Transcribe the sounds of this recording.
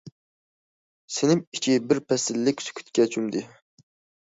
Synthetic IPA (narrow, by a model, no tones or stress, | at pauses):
sɪnɪmit͡ʃʰibɪɾpʰɛsɪlːɪkʲsy̥kʲʰy̥t̪kʲɛt͡ʃʰymd̪ɪ